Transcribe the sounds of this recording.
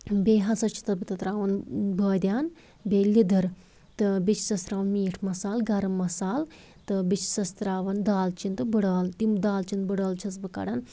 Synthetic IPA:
beːɦɐsɐt͡ʃʰi̥t̪ɐbɨt̪ɐt̪ɾaːʋɐnbəːd̪ʲjaːn | beːlːid̪ɐɾ | t̪ɨbit͡ʃʰsɐst̪ɾaːʋɐnmiːʈʰmɐsaːlɡɐɾmɐsaːl | t̪ɨbit͡ʃʰsɐst̪ɾaːʋɐnd̪aːlt͡ʃint̪ɨbəɽaːlt̪imd̪aːlt͡ʃint̪bəɽaːlt͡ʃʰɐt͡sbɨkɐ̰ɽan

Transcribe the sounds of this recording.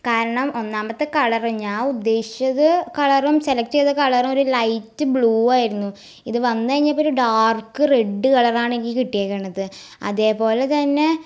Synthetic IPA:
kaːɾɐɳɐmo̞nːaːmbɐt̪ːɨkɐɭɐriɲːaːud̪ːe̞ːɕi̥t͡ɕɐðɨkɐɭɐrumselɐk̚tiɐðɨkɐɭɐrumo̞ɾulɐjtːɨbɭuːaːjiɾunːu | iðɨʋɐnːɨkɐɻiɲːɐpːoɾuɖaːrkːɨreɖːɨkɐɭɐraːɳikːikiʈːijaːkːeːɳːɐðɨ | ɐ̰ðe̞ːpo̞ːlet̪ɐnːe̞

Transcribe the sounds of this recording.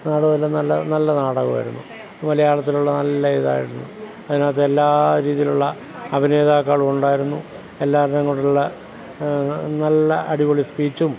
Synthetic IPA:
naːɽɐɣlːenɐlːɐnɐlːɐnaːɽɐɣɐ̰ʋɐ̰jɾunːu | mɐlɐjaːɭɐt̪ːiluɭːɐnɐlːɐeːða̰ːjḭɾunːu | ɐðinaːt̪ːeelːaːɾiːðijiluɭːɐ | ɐbʱine̞ːd̪aːkːaːɭuuɳɖaːjiɾunːu | e̞lːaːrnɐŋːoɽuuɭːɐ | nɐlːɐʔɐɽiʋoɭispiːt͡ɕːum

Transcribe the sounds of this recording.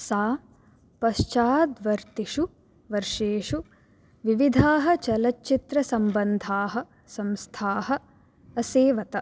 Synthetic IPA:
saː | pɐʃt͡ʃaːd̪ʋɐɾt̪iʃu | ʋɐɾʂeːʂu | ʋiʋid̪ʱaːɦɐ̆t͡ʃɐlɐtːt͡ʃːit̪ɾɐsɐmbɐnd̪ʱaːɦɐ̆ | sɐmst̪ʰaːɦɐ̆ | ɐseːʋɐt̪ɐ

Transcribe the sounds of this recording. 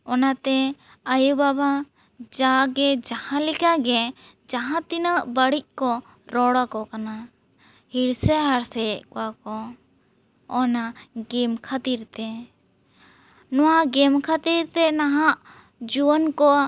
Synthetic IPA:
ɔnat̪ɛ | əjubaba | d͡ʒaɡɛd͡ʒahãlikaɡɛ | d͡ʒaɦãt̪inəʔbəɽic̚ˀkɔ | ɾɔɽakɔkana | hiɽsɛɦaɾsɛʔkɔwakɔ | naɡɛmkʰat̪iɾt̪ɛ | nɔwaɡɛmkʰat̪iɾt̪ɛnaɦaʔ | d͡ʒuwənkɔ

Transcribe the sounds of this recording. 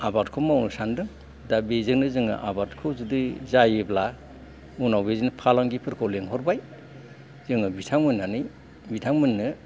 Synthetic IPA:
abaɾtkʰomawnɯsandɯŋ | dabezɯknɯzɯŋɯ̰ʔa̰baɾtkʰɯzɯdɯzajebla | unawbezinɯpʰalaŋɡipʰɯɾkʰɔwleŋɦɔɾbaj | zɯŋɯbitʰaŋmɯnːanɯj | bitʰaŋmɯnːɯ

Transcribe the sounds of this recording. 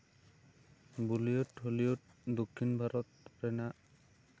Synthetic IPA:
bulijotholijot̚dokʰːinbʱaɾɔt̚ɹɛna

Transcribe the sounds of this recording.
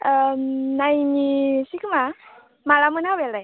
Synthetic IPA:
najnisikʰɯma | malamɯnɦaweldaj

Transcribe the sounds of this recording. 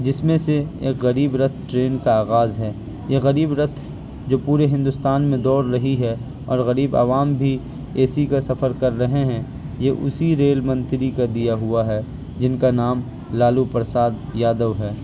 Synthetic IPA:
d͡ʒɪsmẽseḛːkɣɐɾiːbɾɐt̪ʰʈɾeːnkaaːɣaːzɦɛː | jeɣɐɾiːbɾɐt̪ʰ | d͡ʒoːpuːɾeɦɪ̃nd̪ʊst̪aːnmẽd̪ɔːɾɾɐɦiɦɛ | ɔːɾɣɐɾiːba̰ʋaːmbʱi | eːsikasɐfəɾkɐɾːɐɦeɦɛ̃ | jeʔʊ̰siɾeːlmɐ̃nt̪ɾikad̪ijaɦʊaɦɛː | d͡ʒɪnkanaːm | laːlupɾsaːd̪jaːd̪əʋɦɛː

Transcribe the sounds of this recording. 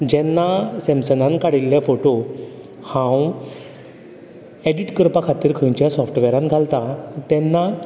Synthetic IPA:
d͡ʑɛnːasɛ̃msənãnkaɽilːjafoʈo | hãw | eɖiʈkəɾpakʰat̪iːɾkʰəɲt͡ɕjasɔfʈʋɛɾãnɡʱalt̪at̪ɛnːa

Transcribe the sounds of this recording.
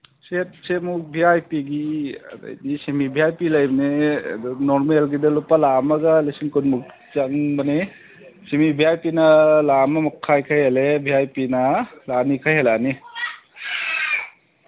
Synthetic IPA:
set̚semuk̚biajpiɡiɐ̰da̰jdisemibʱiajpilajbnḛdunoɾmelɡidɐlupːalamɐɡɐlesinkunmuk̚ | t͡ʃaŋbɐne | semibʱiajpinɐlamamakʰːajkʰajalebiajpinɐlanikʰajɦalani

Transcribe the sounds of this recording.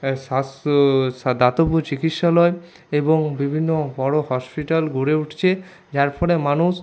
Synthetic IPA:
as | d̪at̪obut͡ɕikit̪ʃalɔe | eboŋbibʱinːobɔɽohɔspiʈalɡuɾeuʈʰt͡ɕʰe | d͡ʑaɾpʰɔɽemanus

